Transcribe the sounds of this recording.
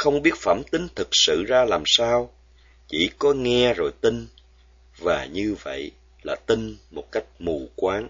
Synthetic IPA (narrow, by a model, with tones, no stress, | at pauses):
xə˧wŋ͡mɓi˦˥ət̚fə˧˩mt̪ï˨˦ŋ̟t̪ʰɨ˨˩k̚sɨ̰˧˨zaː˧laː˨˩msaː˧w | t͡ɕḭ˧˩˥kɔ˨˦ŋɛ˧zo˨˩jt̪ï˧ŋ̟ | vaː˨˩ɲɨ˧və̰˧˨j | laː˨˩t̪ï˧ŋ̟mo˨˩t̚ka˦˥jk̟̚mu˨˩kwaː˨˦ŋ